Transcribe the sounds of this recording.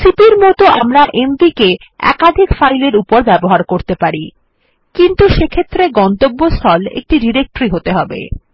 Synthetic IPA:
sipiɾmɔt̪oʔamɾaʔembike | ɛ̰kad̪ʱikfajleɾupoɾbɛboɦaɾkoɾt̪epaɾi | kint̪uʃekʰet̪ːɾeɡɔnt̪obːost̪ʰɔlḛk̚ʈiɖiɾek̚ʈɾiɦot̪eɦɔbḛ

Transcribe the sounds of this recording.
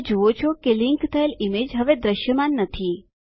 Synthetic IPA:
d͡ʒoot͡ʃʰokeliŋkt̪ʰəelimed͡ʒɦəʋed̪ɾəʃjəmanːət̪ʰi

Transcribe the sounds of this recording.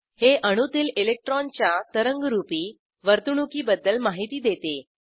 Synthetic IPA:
heʔəɽ̃ut̪iːlelek̚ʈɾɔnt͡ɕjat̪əɾəŋɡɾupiː | ʋəɾt̪uɳ̃ukiːbəd̪ːəlmaɦit̪iːd̪et̪e

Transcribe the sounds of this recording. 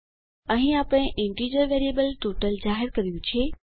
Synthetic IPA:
ɐ̃ɦĩaːpəɽ̃ẽʔẽɳʈiːd͡ʑoʋeːɾijebəlʈoːʈəld͡ʑaːɦɪɾkɐɾijũt͡ɕʰieː

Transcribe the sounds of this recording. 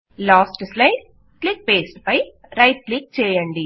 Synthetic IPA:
laːsʈslɐɪɖ | klik̚peːsʈpɐj | ɾɐjʈ̚klik̚t͡ʃɛːjɐɳɖi

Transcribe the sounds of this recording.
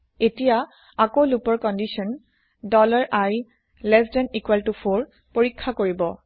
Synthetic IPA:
etija | akolupɔɹkɔndisɔn | dɔlaɹʔaj | lɛsdɛnikwɛltupʰoɹ | poɹikʰːakoɹibɔ

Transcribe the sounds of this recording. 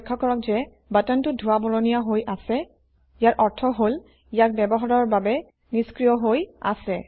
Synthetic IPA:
kʰːɔkɔɹɔk̚zɛ | batɔntʊdʱuwabɔlɔnijaɦojʔasɛ | ijaɹʔɔɹtʰɔɦol | ijak̚bɛbɔɦaɹɔɹbabɛ | niskɹijɔɦoja̰sɛ

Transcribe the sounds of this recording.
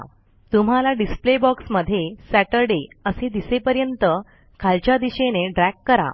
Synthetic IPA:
t̪um̤alaɖisplebɔksməd̪ʱːjesæʈəɾɖeəsed̪isepəɾjənt̪ə | kʰalt͡ɕjad̪iɕeneɖɾækːəɾa̰

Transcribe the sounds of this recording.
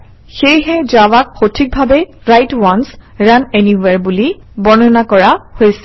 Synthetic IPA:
xejɦɛzawak̚xotʰik̚bʱabɛɹajtwɔnsɹaneniwɛɹbuli | bɔnɔnakɔɹahojsɛ̥

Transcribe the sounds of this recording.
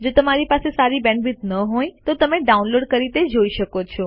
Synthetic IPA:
d͡ʒot̪əmaɾipasesaɾibɛ̃ɳɖbɪt̪nəɦoj̃t̪ot̪əmẽɖaunloːɖkəɾit̪ed͡ʒoiʃəkot͡ʃʰɔ

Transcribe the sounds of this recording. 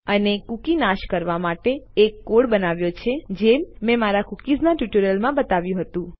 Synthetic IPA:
ənekukinaʃkəɾʋamaʈeːkːoɽbənaʋjot͡ʃʰed͡ʒemːɛ̃maɾakukid͡ʒnaʈjuʈəɾjəlmãbət̪aʋjũɦət̪ũ

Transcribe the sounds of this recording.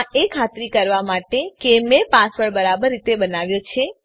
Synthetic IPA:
ekʰat̪ɾikəɾʋamaʈekemẽpaspəɭbəɾabəɾːit̪ebənaʋjõt͡ʃʰe

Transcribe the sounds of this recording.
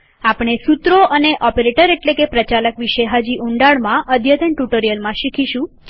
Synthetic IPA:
apɽ̃esut̪ɾoʔəneʔɔpeɾeʈəɾeʈlekepɾət͡ʃaləkʋiʃeɦad͡ʒiʔuɳɖaɭmãʔəd̪ʱjət̪əɳʈuʈəɾijəlmãʃikʰiʃũ

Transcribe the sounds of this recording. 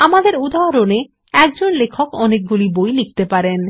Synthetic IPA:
amad̪eɾud̪aɾone | ɛkd͡ʑonlekʰokɔnek̚ɡulibojlik̚t̪epaɾen

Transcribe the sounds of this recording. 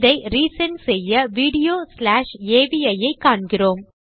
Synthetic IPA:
ðɐɪɾiːsɐnsɛjːɐʋiːɽɪjoːslaːʂeːʋiɐjɐɪkːaːɳɡɪroːm

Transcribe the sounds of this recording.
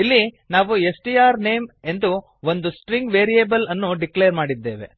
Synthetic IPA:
ilːi | naːʋue̞sʈiaːɾneːme̞nd̪u | ond̪usʈɾiŋɡʋeːɾijeːbɐlɐnːuɖikleːɾmaːɽid̪ːe̞ːʋe̞̰

